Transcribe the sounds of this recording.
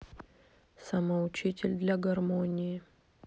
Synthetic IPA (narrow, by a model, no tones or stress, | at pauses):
sɐmɐʊt͡ɕitʲɪlʲd̪lʲaɡɐrmonʲɪjɪ